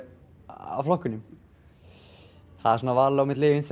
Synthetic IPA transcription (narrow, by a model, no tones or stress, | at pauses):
a̰wflɔhkːʏnʏm | θaðɛɾsɔːnavaːɾlawmɪt̪lɪːvɪns